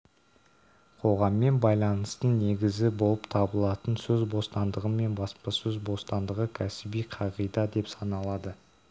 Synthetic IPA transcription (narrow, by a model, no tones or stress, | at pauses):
qʰo̞ʁɑmːe̞nbɑjlˠɑnəst̪əne̞ɡʲɪzɪbo̞lˠəpt̪ʰɑbəlˠɑt̪ənsɵzbo̞st̪ɑnd̪əʁəme̞nbɑspɑsɵzbo̞st̪ɑnd̪əʁəkʲʰæsɪbijqʰɑʁijd̪ɑd̪e̞psɑnɑlˠɑd̪ə